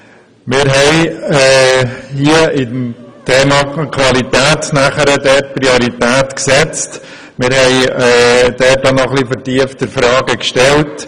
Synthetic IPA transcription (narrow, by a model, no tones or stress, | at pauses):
mɪːɾɦɛɪɛhiəɪdmtʰeːmɑkʰʋɑlitæːtnæχəɾədɛt̚pɾioɾitæːtksɛt͡st | mɪːɾhɛɪɛːd̥ɛanɔχlifəɾtiəftəɾfɾɑːɡəkʃtɛlt